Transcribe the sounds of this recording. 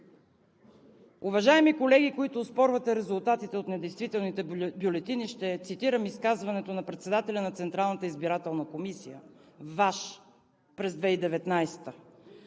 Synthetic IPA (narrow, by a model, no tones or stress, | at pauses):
ʊvɐʒaɛmikolɛɡikoit̪ʊːspɔɾvət̪ɛɾɛzʊlˠt̪at̪it̪ɛot̪nɛd̪ɛjst̪vit̪ɛlˠnit̪ɛbjʊlɛt̪iniʃt̪ɛt̪sit̪iɾəmiskazvɐnɛt̪onɐpɾɛt̪sɛd̪at̪ɛlʲɐnɐt̪sɛnt̪ɾalˠnət̪əizbiɾat̪ɛlˠnəkomisijə | vaʃ | pɾɛzd̪vɛid̪ɛvɛt̪najst̪ə